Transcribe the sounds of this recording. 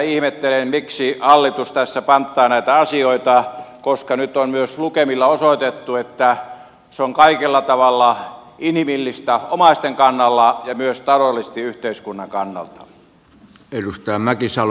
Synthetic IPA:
ihmet̪ːelenmiksihɑlːit̪ust̪æsːæpɑnt̪ːˑɑːnæit̪æɑsioit̪ɑkoskɑnyt̪onmyøslukemilːɑosoˑit̪et̪ːuet̪ːæ | seoŋkɑikelːɑt̪ɑʋɑlːɑ | inhimilːist̪æomɑist̪eŋkɑnːɑlːɑjɑmyøst̪ɑlolːˑist̪iyht̪eiskunːɑŋkɑnːɑ̰lt̪ɑ̥̰ | edust̪ɑjɑmækisɑl

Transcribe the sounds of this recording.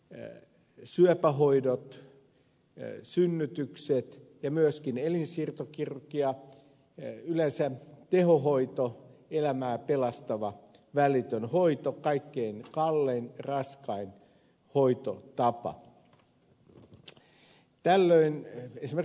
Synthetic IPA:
syøpæɦoidot̪ | synːyt̪ykset̪jɑmyøskinelinsiːrt̪okirkiɑ | ylensæt̪ehoɦoit̪oelæmæːpelɑst̪ɑʋɑ | ʋælit̪ønhoit̪okɑikːeːnkɑlːenrɑskɑin | hoit̪o̰t̪ɑpɑ̰ | t̪ælːøinesimer

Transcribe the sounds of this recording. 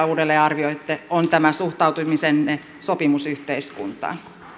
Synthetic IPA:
uːdelːeːɑrʋioit̪ːeont̪æmæsuht̪ɑut̪umisen | sopimusyht̪eiskṵnt̪ɑ̰ːn

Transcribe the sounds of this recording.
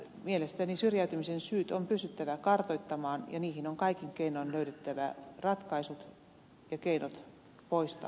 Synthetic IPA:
mielest̪ænisyrjæyt̪ymisensyːt̪ompyst̪yt̪ːæʋækɑrt̪oit̪ːɑmɑːnjɑ̰niːhinoŋkɑikiŋkeinoinløytet̪ːæʋæ̰rɑt̪kɑisut̪ | jɑkeinot̪ | poist̪ɑ̰

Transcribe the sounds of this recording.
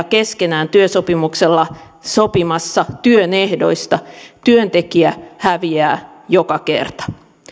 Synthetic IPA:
ke̞skenæːnt̪yøsopimukselːɑ | sopimɑsːɑt̪yønehdo̞̰ist̪ɑt̪yønt̪e̞kiæhæʋiæː | jokɑkḛrt̪ɑ̥

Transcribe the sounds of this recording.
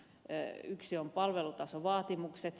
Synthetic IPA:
yksiompɑlʋelut̪ɑsoʋɑːt̪imukset̪

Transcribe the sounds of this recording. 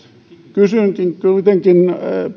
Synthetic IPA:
kysyˑŋkiŋkuit̪eŋkin

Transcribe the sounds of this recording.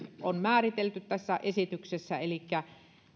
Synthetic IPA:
onmæːrit̪elt̪yt̪t̪æsːæʔesit̪yksesːæelikːæ

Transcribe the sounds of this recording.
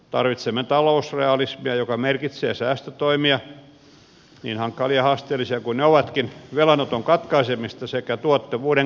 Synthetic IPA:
t̪ɑrʋit̪semːet̪ɑlousreɑlismiɑjokɑmerkit̪seːsæːst̪øt̪oimiɑ | nḭːnhɑŋkːɑliɑhɑst̪eːlːˑisiɑkunneoʋɑt̪kinʋelɑnot̪oŋkɑt̪kɑisemist̪ɑsekæt̪uot̪ːɑʋuːdeŋ

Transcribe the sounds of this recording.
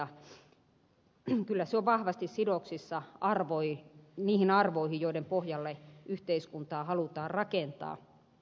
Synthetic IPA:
ɑ | kylːæseoʋʋɑhʋɑst̪issidoksisːɑʔɑrʋoiniːhinɑrʋoihijoiɾempohjɑlːeʔyht̪eiskunt̪ɑːhɑlut̪ɑːrrɑkent̪ɑ̰ː

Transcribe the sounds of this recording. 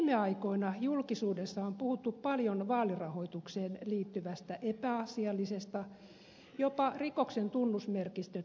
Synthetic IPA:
meɑikoinɑjulkisuːdesːɑompuhut̪ːuppɑljonʋɑːlirɑhoit̪ukseːnliːt̪ːyʋæst̪æʔepæɑsiɑlːisest̪ɑ | jopɑrikoksent̪unːusmerkist̪ø

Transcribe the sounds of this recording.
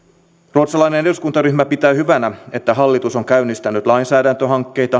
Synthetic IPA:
ruot̪sɑlɑjneneduskunt̪ɑryhmæpit̪æːhyʋænæe̞t̪ːæɦɑlːit̪uso̞ŋkæynːist̪ænyt̪lɑinsæːdænt̪øɦɑŋkːe̞jt̪ɑ

